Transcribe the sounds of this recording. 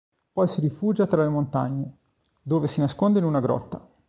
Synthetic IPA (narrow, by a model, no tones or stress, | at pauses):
pɔjsiɾifuːd͡ʒat̪ɾalemont̪a̰ɲːe | d̪oːvesinaskond̪einunaɡɾɔ̰t̪ːa